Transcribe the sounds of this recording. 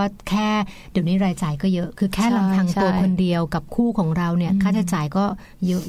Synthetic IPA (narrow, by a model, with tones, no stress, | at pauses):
aː˥˩kʰɛː˥˩di˨˩˦wniː˦˥ɾaː˧jt͡ɕaː˨˩jkɔː˥˩jɤ˦˥ʔkʰɯː˧kʰɛː˥˩la˨˧mt̪ʰaː˧ŋu˧ɐ˧kʰo˧ndi˧əwka˨˩p̚kʰuː˥˩kʰɔː˩˦ŋɾa˧wni˥˩ɐkʰaː˥˩t͡ɕʰaː˧˩t͡ɕaː˨˩jkɔː˥˩ | jɤ˦˥ʔ